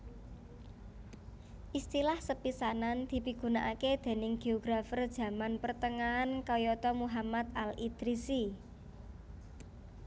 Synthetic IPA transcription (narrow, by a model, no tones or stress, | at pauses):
ʔist̪ilahsəpisanand̪̥i̤piɡ̥ṳnaʔaked̪̥e̤nɪŋɡ̥e̤oɡ̥ɾafərd̥ʒ̥ä̤manpərt̪əŋaːnkɔjɔt̪ɔmuɦamat̪̚alid̪̥ɾisi